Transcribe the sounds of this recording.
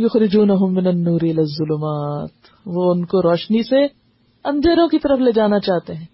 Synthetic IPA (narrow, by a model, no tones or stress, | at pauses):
jʊxɾɪd͡ʒuːnɐɦʊmːɪnɐnːuːɾɪlɐzːʊlʊmaːt̪ | ʋoʊnkoɾɔːʃnise | ɐ̃nd̪ʱeːɾõkit̪ɐɾəfleːd͡ʒaːnat͡ʃaːɦt̪eɦɛ̃ː